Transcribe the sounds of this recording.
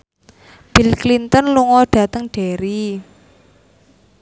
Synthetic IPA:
b̥ilklint̪ənluŋɔɖ̥ä̤t̪əŋɖ̥eɾi

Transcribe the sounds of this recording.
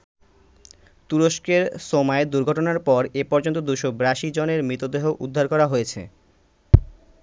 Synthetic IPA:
t̪uɾoʃkeɾʃomɔed̪uɾɡʱɔʈonaɾpɔɾepɔɾd͡ʑont̪̬od̪uʃobɾaʃid͡ʑoneɾmɾit̪od̪eɦoʔud̪ʱːaɾkɔɾaɦojet͡ɕʰḛ

